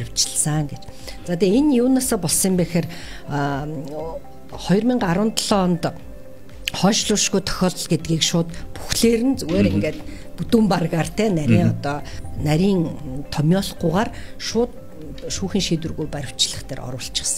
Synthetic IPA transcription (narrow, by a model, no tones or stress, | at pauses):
ɾʲɪ̆w̥t͡ɕɪɮsəŋɡet͡ɕ | t͡saːt̪eːenjuːnaːsɔːpɔɮsiːmpæːxeːr | χɔjɞ̆rmʲiːɴɢaɾʊ̆ːnt̪ɮɔːnt̪ | χɔːʃɮʊːʃɣujt̪ʰɔ̥xʲɔːɮɞ̆ɮɡet̪ɡiːkʃʊːt̪pu̥xɮeːɾɘ̆nt͡suɣeːɾeŋɡeːt̪ | put̪uːmparɣaːrt̪ʰæːnæɾʲiːŋɔt̪ɔːnæɾʲiːŋt̪ʰɔmʲɔɮqʊːʁaːrʃʊːt̪ | ʃuːxiːŋʃiːt̪̬wɘ̆rɣujpæɾʲɪ̆w̥t͡ɕɮə̆χt̪ʰæːrʔɔ̰ɾʊ̆ːɬt͡ɕɪ̆χsə̥̆ŋ